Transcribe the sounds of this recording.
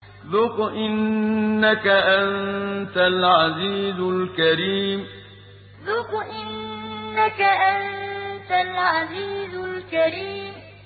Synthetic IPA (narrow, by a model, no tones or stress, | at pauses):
ðʊqʔɪnːakaʔant̪alʕaziːzʊlkɐɾiːm | ðʊqʔɪnːakaʔant̪alʕaziːzʊlkɐɾiːm